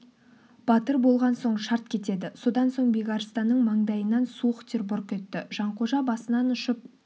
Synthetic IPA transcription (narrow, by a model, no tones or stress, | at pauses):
b̥ɑt̪əɾbo̞lˠʁɑnso̞ɴʃɑɾt̪̚kʲʰe̞t̪e̞d̪ɪso̞d̪ɑnso̞ɴbejɡɑɾst̪ɑnːəɴmɑɴd̪ɑjənɑnsuəqt̪ʰerbʊɾqʲʰe̞t̪ːɪʒ̥ɑɴqʰoʒɑbɑsənɑnʊʃəp̚